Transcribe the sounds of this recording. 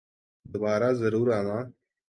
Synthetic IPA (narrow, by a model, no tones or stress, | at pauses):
d̪əbɑːɾazaɾuɾana